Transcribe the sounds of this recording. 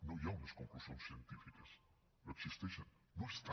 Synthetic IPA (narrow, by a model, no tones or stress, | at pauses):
nõjaunɐskõŋklusõnssiẽnt̪ifikɐs | noksist̪eʃɐn | nõest̪a